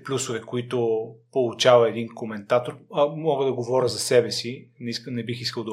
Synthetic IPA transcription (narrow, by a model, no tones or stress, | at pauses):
plʲusovɛkoit̪ʊpolˠut͡ʃavɐɛd̪inkomɛnt̪at̪oɾɐmɔɡəd̪ɐɡovɔɾʲəzɐsɛbɛsinisknɛbixiskəlˠd̪ɐ